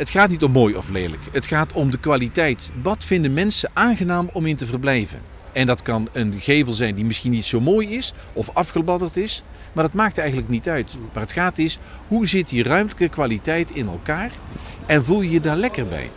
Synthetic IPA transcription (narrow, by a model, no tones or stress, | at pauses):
ətχaːtnitɔmːoːjɔ̰fleːlə̰kətχaːtɔmdəkʋaːlitɛjtʋɑtfɪndəmɛnsəʔaːnɣənaːmɔmɪntəvərblɛjvə̰n | ɛndɑtkɑnənɣejvəlˠzɛjndimɪsxinːitsowmoːjɪs | ɔfɑfχəbɑdərtɪs | maːɹdɑtmaːk̚tɛjɣənləknitœɥtmaːrətχaːtɪsɦuzɪtirœɥmləkəkʋaːlitɛjtɪnɛ̰lˠkaːrɛnvulˠjjədaːɹlɛkərbɛ̰j